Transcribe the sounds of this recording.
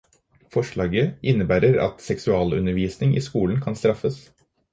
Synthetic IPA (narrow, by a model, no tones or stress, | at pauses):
fɔʂɭɑːɡəʔɪnːəbæːɾəɾɑ̰t̪sɛksʉɑːlʉ̰nəɾʋiːsnɪŋḭːskuːln̩kʰɑnst̪ɾɑfəs